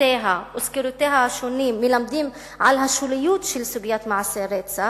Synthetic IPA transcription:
eːɦawʊskɪɾut̪eːɦaʃuniːmːɪlamd̪iːm | ʕalɦaʃulɪjuːt̪ʃɪlsubjaːt̪maʕaseɾet̪sa

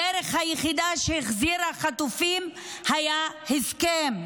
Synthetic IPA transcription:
eɾeχhajeχid̪aʃeeχziɾhaχat̪ufim | hajahiskem

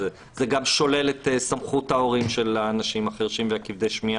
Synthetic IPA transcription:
zeɡamʃo̞le̞let̪samχuthao̞ʁimʃe̞laːnaʃimaχeʁʃimveakivd̪e̞jʃmia

